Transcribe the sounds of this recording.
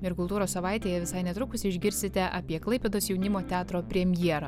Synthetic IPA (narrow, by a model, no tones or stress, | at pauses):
ɪɾkʊlˠt̪uːɾoːssɐʋɑˑɪt̪ʲeːjɛʋʲɪsɐɪnʲɛt̪ɾʊkʊsʲɪɪʒʲɡʲɪɾʲsʲɪt̪ʲɛʔɐpʲiɛklˠɐɪpʲɛd̪oːsjɛʊnʲɪmoːt̪ʲæːt̪ɾoːpʲɾʲɛmʲjiɛɾɐ